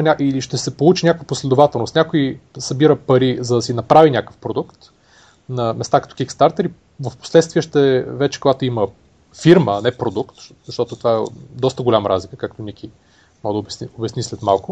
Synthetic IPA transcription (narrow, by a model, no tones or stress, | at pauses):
nʲaʔiliʃt̪ɛsɛpolˠut͡ʃinʲakəvəposlɛd̪ʊvat̪ɛlˠnost̪nʲakoisɐbiɾəpɐɾizɐd̪ɐsinɐpɾavinʲakəfpɾod̪ukt̪ | nɐmɛst̪akət̪ɔ̥k̟ikst̪aɾt̪əɾi | vəfpo̥slɛt̪st̪viəʃt̪ɛvɛt͡ʃɛ̥koɡat̪ʊimə | fiɾməːnɛpɾod̪ukt̪zɐʃt̪ɔt̪ot̪ovaɛd̪ɔst̪əɡolʲamɾʔa̰zlikə̥kakt̪onik̟ʲi | mɔd̪əobsiobɛsnislɛt̪malˠkʊ